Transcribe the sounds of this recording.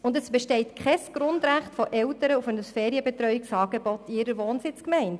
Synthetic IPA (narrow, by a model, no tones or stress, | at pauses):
ʊndəsb̥ɛʃtɛɪtkχɛsɡ̥ɾʊndɾæχtfɔʔɛltəɾəufɛnusfɛːɾiəbɛtrœʏjiksɑːɡ̥ebɔtiɪɾəɾʋoːnsɪt͡skmɛɪnd